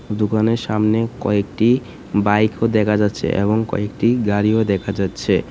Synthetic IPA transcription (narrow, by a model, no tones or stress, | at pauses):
d̪ukaneɾʃamnekɔ̰ek̚ʈi | bajkʰod̪ɛkʰad͡ʑatːɕʰḛʔḛβoŋkɔ̰ek̚ʈiɡaɾiod̪ɛkʰad͡ʑatːɕʰe